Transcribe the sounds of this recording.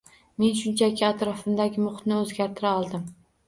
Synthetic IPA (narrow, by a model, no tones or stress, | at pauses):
me̞nʃʊnt͡ʃʰakʲʰɪat̪ɾɒfɪmd̪aɡʲɪmʊχt̪nɪɵzɡʲaɾt̪ʰɪɾaɒlˠd̪ɪm